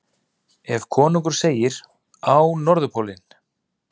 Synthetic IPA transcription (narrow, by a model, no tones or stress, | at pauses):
ɛvkʰɔːnuk̬ʏɾ̥seːjɪɾ | awnɔɾðʏpʰowlɪn